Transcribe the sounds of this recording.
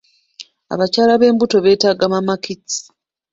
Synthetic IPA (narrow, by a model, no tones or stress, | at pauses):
a̰βacaːlaβe̞ːmbuto̞βe̞ːtaːɡamamakit͡si̥